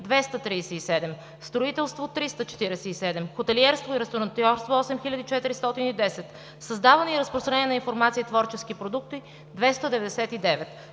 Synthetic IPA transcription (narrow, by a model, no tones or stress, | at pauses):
d̪vɛst̪ət̪ɾiːsɛisɛd̪ɛm | st̪ɾoit̪ɛlˠst̪vot̪ɾist̪ət͡ʃɛ̥t̪iɾɛsɛisɛd̪ɛmxot̪ɛliɛɾst̪voiɾɛst̪oɾɐnt̪ɔɾst̪voɔsɛmxilʲəd̪it͡ʃɛt̪iɾist̪ɔt̪inid̪ɛsɛt̪ | səzd̪avɐnɛiɾəspɾost̪ɾɐnɛiɛnɐĩnfoɾmat̪siːt̪vɔɾt͡ʃɛsk̟ipɾod̪uk̚t̪i | d̪vɛst̪əd̪ɛvɛd̪ɛsɛt̪id̪ɛvɛt̪